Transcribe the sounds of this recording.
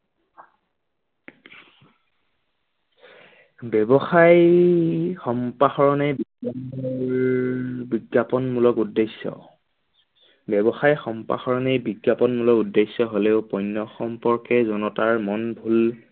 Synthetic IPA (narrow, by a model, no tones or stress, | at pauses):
bɛbɔxaj | xɔmpaxɔɹɔnɛbiɡaɔɹ | biɡapɔnmulɔkudːesːɔ̰ | bɛbɔxajxɔmpa̰xɔɹɔnejbiɡjapɔnmulɔkudesːɔɦoleʊpɔjnːɔxɔmpɔɹkɛzɔnɔtaɹmɔnbʱul